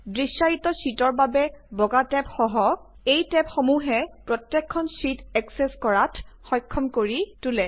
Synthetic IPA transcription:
dɹisaɹitɔsitɔɹbabɛbɔɡatɛpxɔɦɔ | ejtɛpxomuɦɛpɹɔtjɛkʰːɔnsitɛksɛskɔɹatʰxɔjkʰːɔmkoɹitulɛ

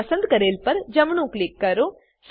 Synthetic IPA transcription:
ɐsə̃nd̪̚kɐɾeːlpɐɾd͡ʒɐmɳũklɪkːɐɾoː | s

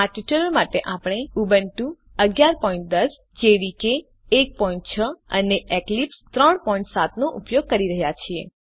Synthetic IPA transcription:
aʈuʈəlomaʈeʔapɽ̃eubənʈũ | əɡjaɾpɔĩɳʈ̚d̪əs | d͡ʒeɽikeː | k̚pɔiɳʈ̚t͡ʃʰəəneʔeklipst̪ɾəɳpɔĩɳʈsat̪noʔupjoɡ̚kəɾiɾəɦjat͡ʃʰie

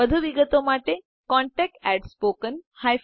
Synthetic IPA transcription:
əd̪ʱuʋiɡət̪omaʈe | kɔ̃ɳʈɛk̚ʈæɖspokənhaj

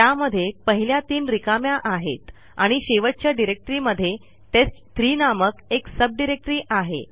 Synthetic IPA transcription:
t̪jaməd̪ʱːjepəɦiljat̪iːnɾikamjaʔaɦḛt̪ | aɽ̃iɕeʋəʈ̚t͡ɕjaɖiɾek̚ʈɾiːməd̪ʱːje | t̪et͡st̪ɾiːnaməkeksəb̚ɖiɾek̚ʈɾiːʔaɦḛ

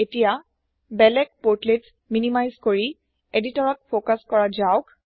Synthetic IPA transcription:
etija | bɛlɛk̚poɹtlet | minimajzkoɹi | editɔɹɔt̚pʰokaskɔɹad͡ʒaʊk

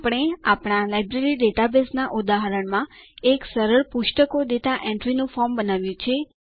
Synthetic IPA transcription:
pɽ̃eapɳ̃alajbɾeɾiɖeʈabesnaʔud̪aɦəɾəɳmãeksəɾəɭpuʃʈəkod̪et̪aʔɛ̃ɳʈɾinũfɔɾmbənaʋjũt͡ʃʰe

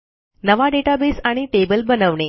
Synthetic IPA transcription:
nəʋaɖeʈabesaɽ̃iʈebəlbənəʋɳe

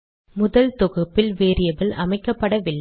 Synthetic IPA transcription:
mʊðɐlt̪ɔɣɯpːɪlʋeːɾɪjɐbɪlʔɐmɐɪkːɐpːɐɽɐʋɪlː

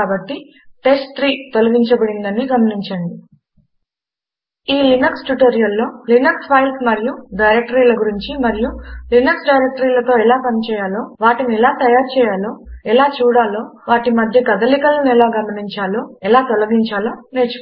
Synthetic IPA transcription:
aːbɐʈːi | ʈe̞sʈt̪ɾiːt̪olɐɡiɲt͡ʃɐbɐɽind̪ɐniɡɐmɐniɲt͡ʃɐɳɖi | iːlinɐksʈuʈoːɾijɐlːo̞ːlinɐkspʰɐjlsmɐɾijuɖɐjɾek̚ʈɐɾiːlɐɡuɾiɲt͡ʃimɐɾijulinɐksɖɐjɾek̚ʈɐɾiːlɐt̪o̞ːɛlaːpɐnit͡ʃɛːjaːlo̞ːʋaːʈiniɛlaːt̪ɐjaːɾut͡ʃɛːjaːlo̞ːɛlaːt͡ʃuːɽaːlo̞ːʋaːʈimɐd̪ʱjɐkɐd̪ɐlikɐlɐnɛlaːɡɐmɐniɲt͡ʃaːlo̞ːɛlaːt̪olɐɡiɲt͡ʃaːlo̞ːneːt͡ʃu̥k

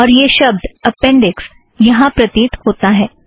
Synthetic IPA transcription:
ɔːɾjeʃɐb̚d̪ɐpɛ̃ɳɖɪks | jɐɦãpɾɐt̪iːt̪hoːt̪aɦɛː

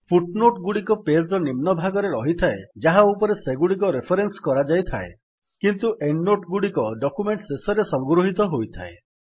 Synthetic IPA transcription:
pʰuʈnoʈɡuɽikɔpesɾɔnimnɔbʱaɡɔɾeɾɔɦit̪ʰaed͡ʒaɦaupɔɾeseɡuɽik̬ɔɾepʰɔɾenskɔɾad͡ʒajt̪ʰae | kint̪uʔeɳɖːoʈɡuɽikɔɖɔkumeɳʈsesɔɾesɔŋɡɾoɦit̪ɔɦojt̪ʰa̰e

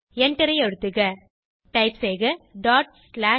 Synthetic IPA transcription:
ɛɳʈɪɾɐɪɛɻɯt̪ːɯɣɐ | ʈɐɪpseːɣɐɖaːʈ̚slaː

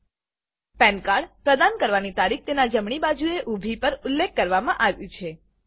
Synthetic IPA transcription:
pɛ̃nkaɽpɾəd̪ankəɾʋanit̪aɾik̚ʰt̪enad͡ʒəmɳ̃ibad͡ʒueʔubʱipəɾʊlːekːəɾʋamãʔaʋjũt͡ʃʰe

